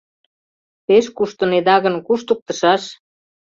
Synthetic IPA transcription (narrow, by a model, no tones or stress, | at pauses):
peʃkuʃt̪ə̆ned̪ɑɣə̆nkuʃt̪uk̚t̪ə̆ʃɑʃ